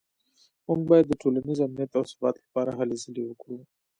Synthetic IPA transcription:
muŋɡ̚bɑjad̪ːəʈʰolanizamnijat̪awsʊ̥bɑt̪lḁpɑɾaɦalezəlewəkɽu

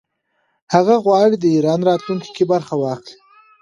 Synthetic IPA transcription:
haɣaɣwɑːɽid̪əiɾɑːnɾɑːt̪luŋki̥kebaɾxawɑːxli

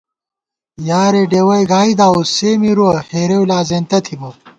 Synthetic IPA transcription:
jaːɾeːɖeːwɐjɡaːid̪aːuseːmiɾuɐheːɾewlaːzeːnt̪ɐt̪ʰibɐ

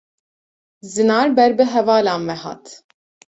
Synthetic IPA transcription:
zɨnɑːɾbɛɾbɨɦɛvɑːlɑːnvɛhɑ̰ːt̪

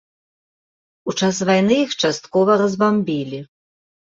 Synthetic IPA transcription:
ut͡ʂas̬vajnɨjixt͡ʂast̪kɔvɐrɐzbambʲilʲi

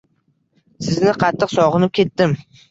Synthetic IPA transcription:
sɪznɪqʰɑt̪ʰːɨqsɒʁɨnɪp̚kʲʰe̞t̪ːɪm

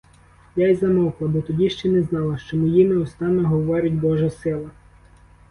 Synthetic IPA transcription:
jajzɐmɔwklˠɐbɔt̪ɔdʲiʃt͡ʃɛnɛznɑlˠɐʃt͡ʃɔmɔjinɛɔst̪ɑnɔɦɔʋɔɾʲɪtʲbɔʒɐsɪlˠɐ

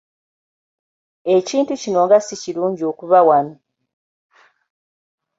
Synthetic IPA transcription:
e̞ciːntucino̞ŋɡasiciluːɲɟio̞ːkuβawano

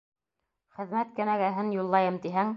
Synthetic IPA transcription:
χɘ̆ðmæt̪̚kæ̆næɡæɦɘnjulˠːɑjɤmt̪iɦæŋ

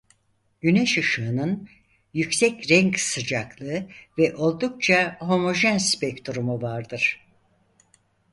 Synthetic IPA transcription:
ɟynɛʃɯʃɯːnɯn | jycsɛcɾɛɲcsɯd͡ʒaklˠɯɯvɛʔo̞lˠd̪uk̚t͡ʃʰaɦo̞mo̞ʒɛnspɛct̪ʰuɾumuvaɾd̪ɯɾ̥

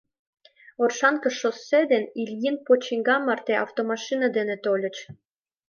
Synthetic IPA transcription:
orʃɑnkə̆ʃosːed̪enilʲjinpot͡ɕiŋɡɑmːɑrt̪eʔɑ̰ft̪omɑʃinɑd̪enĕt̪olʲə̆t͡ɕ

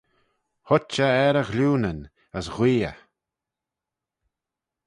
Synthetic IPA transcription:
hɔt͡ʃəɛɾəɣluːnən | əsɣwiːə̰

